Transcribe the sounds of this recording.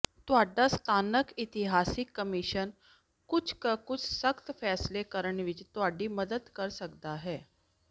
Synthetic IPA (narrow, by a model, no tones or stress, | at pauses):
t̪ʊaɖast̪ʰanəkit̪iɦasikːəmiɕən | kut͡ʃʰkəkut͡sʰsəkt̪fɛslekəɾəɳʋit͡ʃt̪oaɖiːməd̪əd̪kəɾsəkd̪aɦɛː